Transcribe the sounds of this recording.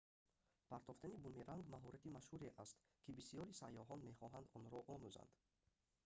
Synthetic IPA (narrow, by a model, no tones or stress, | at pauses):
pʰaɾt̪ʰɔft̪anibumiɾaŋɡmaɦɔɾʔat̪imaʃhuɾeʔast̪ | kʰibisijɔɾisajːɔɦɔnme̞χɔɦand̪ɔnɾɔʔɔmuza̰nd̪̥